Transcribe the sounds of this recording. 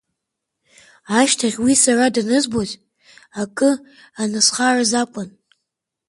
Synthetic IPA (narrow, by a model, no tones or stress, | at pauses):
aʃtʰaʁʲwisaradanɨzbozʼ | akʼɨ | anɨsχarazakʷʼan